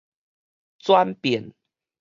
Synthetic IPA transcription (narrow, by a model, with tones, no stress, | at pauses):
t͡swa˦npjɛ˨˩˦n